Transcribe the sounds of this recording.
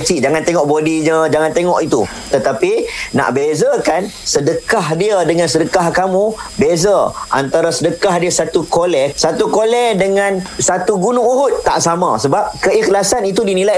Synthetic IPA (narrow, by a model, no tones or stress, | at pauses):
t͡ʃiʔd͡ʒaŋant̪eŋɔʔbodiɲəd͡ʒaŋant̪eŋɔʔit̪ṵ | t̪ət̪apina̰ʔbezakansədəkaɦdiədəŋansədəkahkamubezaʔa̰nt̪aɾasədəkaɦdiəsat̪ukolɛsat̪ukolɛdəŋãnsat̪uɡunʊŋuɦʊt̪ːa̰ʔsamãsəbap̚kəixlasanit̪udinilaj